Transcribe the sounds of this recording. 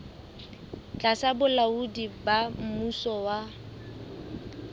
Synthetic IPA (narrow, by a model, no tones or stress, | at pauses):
t͡ɬʼasabʊlaudibam̩musɔwa